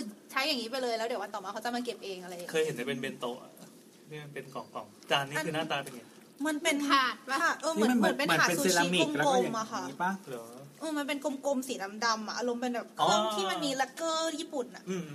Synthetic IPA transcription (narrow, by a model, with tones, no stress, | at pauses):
tʰɯ˨˩ŋt͡ɕʰa˦˥jːa˨˩ŋːiː˦˥p̬a˧jlɤː˧jlɛː˦˥wdi˩˦wa˧nt̪ɔː˨˩maː˧kʰa˦˥t͡ɕa˧˩maː˧ke˨˩p̚ʔeː˧ŋʔa˧ɾa˧jkʰɤː˧jhe˨˩˦nda˥˩pe˧nbe˧nt̪oː˧˩ʔa̰˨˩ | a˥˩˧npe˧nkɔː˨˩ŋkɔː˨˩ŋ̚t͡ɕaː˧nːiː˦˥˩naː˥˩t̪aː˧t̪a˨˧˩ŋɲi˦˥ | ma˧npe˧nʰaː˨˩t̪̚kʰa˥˩ʔɤː˧a˧˩˦npe˧nm˧aː˨˩e˧nssi˧la˧˦˧mi˨˩˧m˦ko˧m˨mːʔa˨˩kʰa˥˩ʔaː˥˩lʔɤː˧ma˧np̬e˧nko˧mko˧msiː˩˦na˦˥mda˧mʔa˨˩ʔa˧ɾo˧mpe˧nbɛː˨˩p̚kʰɔː˥˩əŋʰiː˥ma˧nmiː˧la˦˥kɤː˥˩jiː˥˩pu˨˩nʔa˨˩ʔɯː˧˩